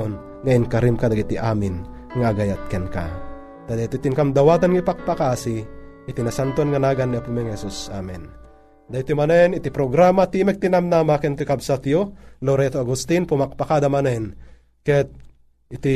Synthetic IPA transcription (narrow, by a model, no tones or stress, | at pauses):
on | ŋaɪŋkɐɾimkad̪aɡit̪iʔaːmɪn | ŋaːɡajat̪̚kɛnka̰ | t̪ad̪at̪it̪iŋkamd̪ɐwat̪anŋipak̚pakaasiː | t̪inasant̪onŋanaːɡanːiapumɛŋhɛsusa̰mɛn | d̪ait̪imanɛnit̪ipɾoɡɾamat̪imɛk̚t̪inamnamakɛnt̪ukabsat̪joloɾɛt̪oaɡust̪inpumak̚pakad̪amanɛn | kɛt̪̚ | it̪i